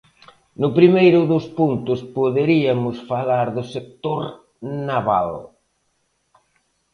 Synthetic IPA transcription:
nʊpɾimejɾʊðʊspunt̪ʊspoðeɾiamʊsfalaɾðʊsek̚t̪oɾ | naβa̰l

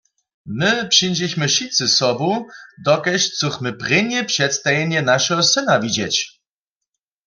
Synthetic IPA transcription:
mɪpʂind͡ʑɛɕmɘʃisɨsɔbud̪ɔkɛɕt͡sɔxmɘpʁenɛpʂɛt̪st̪ajɛɲɛnaʃɛɡɔsɘnavid͡ʑɛt͡ɕ

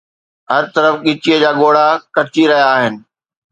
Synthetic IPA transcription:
ɦɐɾt̪ɐɾəfɠɪt͡ɕiəd͡ʑaːɠoːɽ̤akɐt͡ɕiɾɐɦijaːɦɪnɪ̆

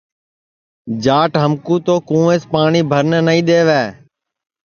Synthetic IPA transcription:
d͡ʒaːʈɦəmkuːt̪oːkũːẽːspaːɳiːbʱəɾnnəĩːɗ̪eːʋɛː

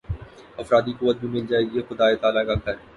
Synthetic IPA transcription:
ɐfɾaːd̪ikʊʋːət̪̚bʱimɪld͡ʒaːeːɡiexʊd̪aːet̪aːlakaɡʱɐɾ

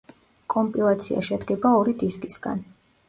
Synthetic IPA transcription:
kʼɔmpʼilˠat̪sʰia̰ʃɛd̪ɡɛbaɔɾid̪iskʼisɡ̥a̰n

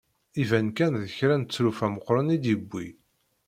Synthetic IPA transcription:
ivænkænðəçɾænt͡sːɾufæməqːɾˤənid̪jəbːi

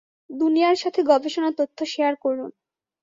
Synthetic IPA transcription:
d̪unijaɾʃat̪ʰeɡɔbeʃonat̪ot̪ʰːoʃeaɾkoɾun

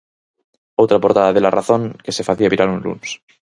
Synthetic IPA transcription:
owt̪ɾapo̞ɾt̪aðaðelaraθo̞ŋke̞se̞faθiaβiɾalunlṵns

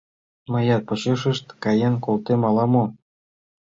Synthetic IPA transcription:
mɤ̆jɑt̪̚pŏɕeʃə̆ʃt̪kɑjenkolt̪emɑlɑmo

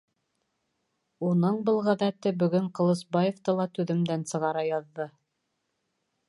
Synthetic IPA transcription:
unɤɴbɤlˠʁæðæt̪ɘbɵ̆ɡɵɴqŏlˠɤ̆sbɑjeft̪ɤlˠɑt̪ʉðɘ̆md̪ænsɤ̆ʁɑɾɑjɑðːɤ

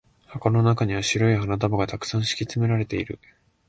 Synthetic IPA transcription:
hakano̞nakaɲ̟iβaɕiɾoiɦanat̪̬abaɡat̪akɯ̟̥sãɰ̃ɕi̥kʲit͡sɨme̞ɾaɾe̞t̪e̞iɾɯ̟

